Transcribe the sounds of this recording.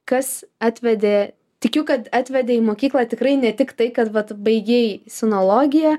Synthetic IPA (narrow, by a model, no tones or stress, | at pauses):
kɐsɑːt̪ʲʋʲɛd̪ʲeː | t̪ʲɪkʲʊkɐt̪ɑːt̪ʲʋʲɛd̪ʲeːiːmoːkʲiːklˠɑːt̪ʲɪkɾɐɪnʲɛt̪ʲɪkt̪ɐɪkɐt̪ʋɐt̪bɐɪɡʲeːjsʲɪnoːlˠoːɡʲɪjɛ